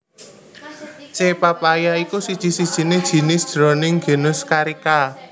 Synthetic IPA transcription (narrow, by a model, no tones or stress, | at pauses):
t͡ʃepapajaikusid̥ʒ̥i̤si̤d̥ʒ̥i̤ned̥ʒ̥i̤nɪsd̪̥ɾɔ̤nɪŋɡe̤nʊskaɾika